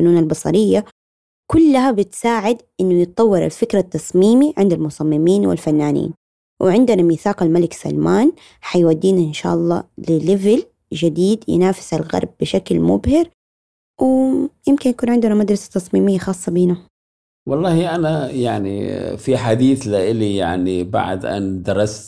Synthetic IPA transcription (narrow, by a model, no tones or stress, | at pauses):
fʊnuːnalbɑsˤɑ̰ɾɪjːa | kʊlːaɦabɪt̪saːʕɪd̪ʔɪnːʊnɨt̪ˤɑwːɪɾa̰lfɪkɾat̪ːɑsˤmiːmiʕɪnd̪almʊsˤɑmːɪmiːnwɪ̰lfanːaːnḭːn | wʔɪʕɪnd̪ɪnamiθaːqalmalɪksa̰lmaːn | ħajwad̪ːiːnʔɪnʃa̰ːʔɑlˤːɑ̰ːlɪlɪvɪl | ʒɪd̪iːd̪jɪ̰naːfɪ̥salɣɑ̰ɾˤb̚ːɪʃaklmʊbhɪɾ | wɪjɪmkɪnjakuːnʕɪnd̪ʊnamad̪ɾˤɑsḁt̪ːɑsˤmiːmɪjːaxɑːsˤːɑbiːna | wɑlˤːɑːhiʔanajaʕnḭfiħad̪iːθlɪʔɪlija̰ʕniba̰ʕd̪ʔa̰nd̪ɑɾˤɑst̪